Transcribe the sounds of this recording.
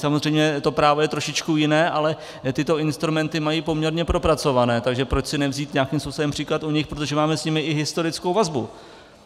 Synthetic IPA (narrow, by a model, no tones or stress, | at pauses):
samozrɛjmɲɛt̪o̞pɾaːvojɛt̪ɾo̞ʃɪt͡ʃkujɪnɛːʔalɛ | t̪ɪt̪o̞ɪnst̪ɾumɛnt̪ɪmajiːpo̞mɲɛɾɲɛpɾo̞pɾat͡so̞vanɛːt̪aɡʒɛpɾo̞t͡ʃsɪnɛvziːt̪ɲaːkɪmspusodɛmpr̥iːklat̪uɲɪxpɾo̞t̪̬oʒɛmaːmɛsɲɪmɪʔɪɦɪst̪o̞ɾɪt͡skowvazbu